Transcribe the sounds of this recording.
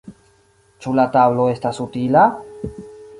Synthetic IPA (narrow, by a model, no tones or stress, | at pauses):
t͡ʃulataβlo̞e̞stasutila